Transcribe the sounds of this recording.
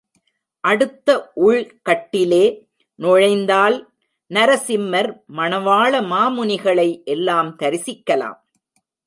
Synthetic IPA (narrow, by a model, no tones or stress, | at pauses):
ʔɐɽɯt̪ːɐʔʊɻkɐʈːɪleː | nɔɻɐɪnd̪aːl | nɐɾɐsɪmːɐɾmɐɳɐʋaːɭɐmaːmʊnɪɣɐɭɐɪʔɛlːaːmt̪ɐɾɪsɪkːɐla̰ːm